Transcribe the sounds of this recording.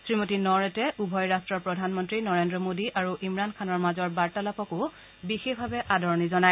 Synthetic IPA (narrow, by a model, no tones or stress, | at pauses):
sɹimotinɔɹɛtɛʔubʱɔjɹastɹɔɹpɹɔdʱanmɔntɹinɔɹendɹɔmodiʔaɹuʔimɹankʰanɔɹmazɔɹbaɹtalapɔkʊ | bixexbʱabɛʔadʱɔɹɔnizɔnaj